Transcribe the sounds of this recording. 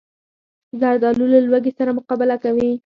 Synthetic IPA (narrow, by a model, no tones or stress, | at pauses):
zaɾd̪ɑlulalwaɡesaɾamʊqɑbɪlakawi